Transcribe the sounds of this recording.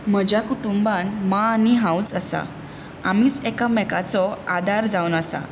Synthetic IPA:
m̤əd͡ʑjakuʈumbanmaːniɦãusəsa̰ | amiːt͡sɛkamɛkat͡sɔad̪ʱaɾd͡zawnəsa̰

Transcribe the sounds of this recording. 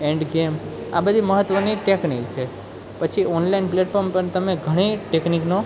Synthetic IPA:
eɳɖɡema̰bəd̪ʱiməɦət̪ːʋəniʈeknikt͡ʃʰe | pət͡ʃʰiɔnlainpleʈfoɾmpəɳt̪əmeɡʱəɽ̃iʈeknikno

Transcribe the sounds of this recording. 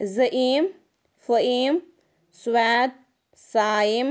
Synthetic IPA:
zɐʔiːm | fəiːm | swaːt̪̚ | saːim

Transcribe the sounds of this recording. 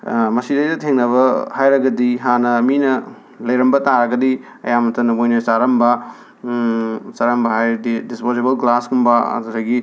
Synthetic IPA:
mɐsidɐjdɐtʰeŋnɐβɐhajɾɐɡɐdiɦanɐminɐ | lɐjɾɐmbɐtaɾɐɡɐdi | ɐ̰jamɐtɐnɐbojnosaɾɐmbɐ | saɾɐmbɐɦajdispozebɐlklasɡumbɐɐ̰dudɐɡi

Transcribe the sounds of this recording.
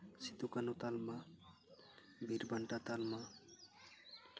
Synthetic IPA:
sit̪ukanut̪alma | bʱiɾbaɳʈat̪alma

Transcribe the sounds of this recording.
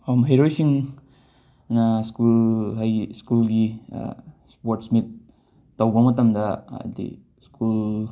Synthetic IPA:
omɦeɾojsiŋ | nɐskulɦajskulɡḭ | spoɾtsmit̚ː | awbɐmɐtɐmdɐ̰dḭ | skul

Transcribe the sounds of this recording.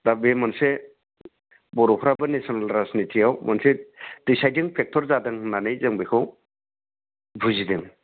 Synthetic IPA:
dabemanse | bɔɾɔpʰɾabɯnesɔnalɾaznitʰiawmʔansed̥isajdɯŋpʰek̚tʰɔɾzadɯŋnanɯjzɯŋbekʰɯw | bʱuzidɯŋ

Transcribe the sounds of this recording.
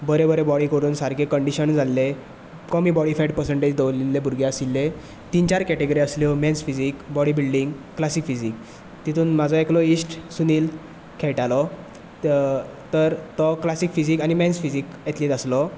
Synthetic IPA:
bəɾebəɾebɔɽikəɾuːnsaɾkʰekəɳɖiɕənd͡zʱalːe | kɔmiːbɔɽifeɖ̚pəɾsəɳʈed͡ʑd̪əʋlilːebʱuɾɡʱeəsilːe | t̪int͡ɕaɾkɛʈeɡəɾiəsljɔmɛnsfid͡zikbɔɽibilɖiŋɡklasiːkfid͡zik̚ | t̪it̪ʰuːnmad͡zʱɔeklɔisʈsuniːl | kʰɛɭʈalɔ | t̪əɾt̪ɔklasiːkfid͡ʑiːkañimɛ̃nsfid͡ziːket̪liːt̪əslɔ

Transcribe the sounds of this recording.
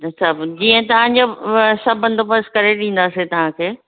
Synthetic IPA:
sʰɐbd͡ʑiːə̃t̪ɐʋ̤ãɲd͡ʑoːsɐbɐ̃nd̪opɐskɐɾeɗĩːn̆d̪aːset̪ɐʋ̤ãkʰeː

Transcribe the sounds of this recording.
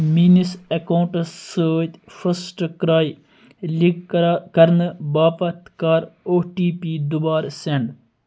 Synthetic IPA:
miːnisekawɳʈsəːt̪fʰəsʈkɾaːj | likkɐɾnbaːpɐt̪kaːɾoːʈiːpiːd̪ʊbaːɾseɳɖ

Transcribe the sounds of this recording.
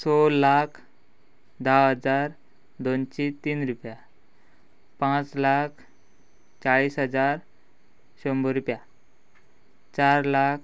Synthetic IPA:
solakʰ | d̪awɦəd͡zaɾ | d̪ont͡ɕit̪iːnɾupja | pãt͡slakʰ | t͡saɭiːsɦəd͡zaɾ | ɕəmbəɾupja | t͡ɕaɾlakʰ

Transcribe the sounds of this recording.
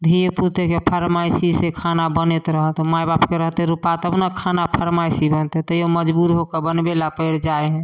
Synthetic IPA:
d̪ʱiput̪ekepʰəɾmajsisekʰanabənet̪ɾəɦət̪majbapkeɾəɦt̪eɾupat̪əbnakʰanapʰəɾmajsibənt̪et̪ɔjoməd͡ʒbuɾɦokebənbelapəjɾd͡ʒajɦɛ̃

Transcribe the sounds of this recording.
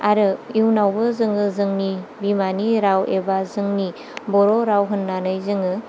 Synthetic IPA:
aɾɯiwnawbɯzɯŋɯzɯŋnibimaniɾawebazɯŋni | bɔɾoɾawɦɯnːanɯjzɯŋɯ

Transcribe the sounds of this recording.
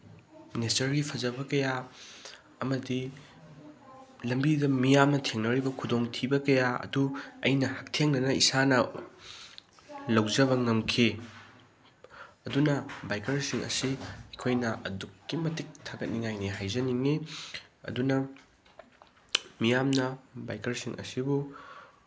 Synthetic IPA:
nestɐɾɡipʰɐzɐbɐkɐja | ɐmɐdi | lɐmbiɡɐmijamnɐtʰeŋnɐɾibɐkʰudoŋtʰibɐkɐjaɐ̰duɐ̰jnɐhɐk̚tʰeŋnɐnɐisanɐ | lɐwzɐβɐŋɐmkʰi | ɐdunɐbajkɐɾsiŋɐ̰siɐjkʰojnɐʔɐdukːimɐtik̚tʰaɡɐt̚niŋajniɦajzɐniŋeɐ̰dunɐ | mijamnɐba̰jkɐɾsiŋʔɐ̰sibu

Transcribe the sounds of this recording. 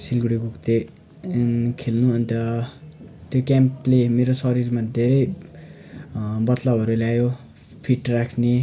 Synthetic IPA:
silɡuɽiɡukt̪e | kʰelnuʌnit̪ʌ | t̪jokamplemeɾosʌɾirmad̪ʱeɾʌj | bʌt̪lawɦʌɾuleajo | pʰiʈrakʰne

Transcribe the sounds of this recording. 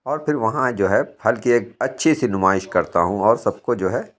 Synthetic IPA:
ɔːɾpʰɪɾʋɐɦãd͡ʒoːɦɛhɐlkieːk̚ɐtːʃʰisinʊmaːɪʃkɐɾt̪a̰ɦũɔːɾsɐb̚kod͡ʒoːɦɛː

